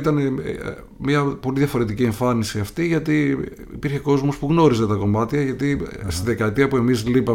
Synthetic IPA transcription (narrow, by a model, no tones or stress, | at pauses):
t̪ɐne̞ | mɲɐpo̞liðʝɐfo̞ɾe̞t̪icie̞ɱfɐnisiɐft̪iʝɐt̪i | ḭpiɾçe̞ko̞zmo̞spuɣno̞ɾize̞t̪ɐko̞mɐt̪çɐʝɐt̪ist̪iðe̞kɐet̪iɐpue̞mizlipɐ